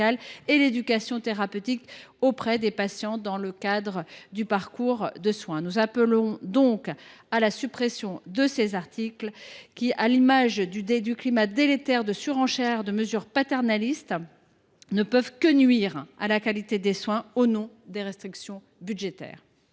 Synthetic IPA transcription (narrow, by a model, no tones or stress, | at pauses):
aleled̪ykasjɔ̃t̪eʁapøt̪ikopχɛd̪epasjɑ̃d̪ɑ̃ləkad̪ʁəd̪ypaʁkuʁd̪əswɛ̃nuzapəlɔ̃d̪ɔ̃kalasypχesjɔ̃d̪əsezaʁt̪ʰiklkʲialimaʒd̪yed̪yklimad̪elet̪ɛʁd̪əsyʁɑ̃ʃɛʁd̪əməzyʁpat̪ɛʁnalist̪ | nəpœvkənɥiʁalakalit̪ed̪eswɛ̃onɔ̃ | d̪eʁɛst̪χiksjɔ̃ | byd̪ʒet̪ɛ̰ːʁ